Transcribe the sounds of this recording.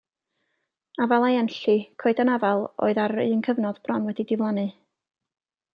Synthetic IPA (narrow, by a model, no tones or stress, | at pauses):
avalˠajɛnɬɨkʰoɨdanavalˠo̰ɨðarɨənkʰəvnɔðb̥rɔnwɛdidɪvlˠanɨ